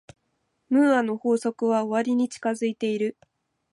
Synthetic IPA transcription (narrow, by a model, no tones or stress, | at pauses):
mɯ̟ːano̞ho̞ːso̞kɯ̟βao̞βaɾʲiɲ̟it͡ɕi̥kazɨit̪e̞iɾɯ̟